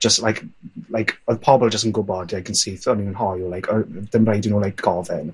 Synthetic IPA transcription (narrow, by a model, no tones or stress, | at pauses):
d͡ʒ̥əstlajkʰlajkʰɔðpʰɔbɛlˠd͡ʒəs̬tənɡʊbɔdakʰənseθɔninənɦɔjulajkʰɔdənrejdɪnuːlajk̚ɡ̥ɔvɛn